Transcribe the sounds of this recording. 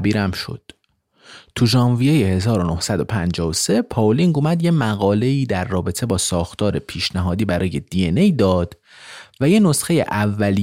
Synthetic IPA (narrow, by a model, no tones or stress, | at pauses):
biːɾæmʃo̰d̪̥ | t̪ʰuʒɒːnvijejehe̞zɒːɾo̞no̞hsæd̪o̞pʰænd͡ʒɒːose̞pʰɒliŋɡomæd̪je̞mæɣɒːle̞iːd̪æɾːɒːbe̞t̪ʰe̞bɒːsɒːxt̪ʰɒːɾe̞pʰiːʃnæɦɒːd̪iːbæɾɒːje̞d̪ienejd̪ɒːd̪̥ | væje̞no̞sxe̞jḛʔævːæli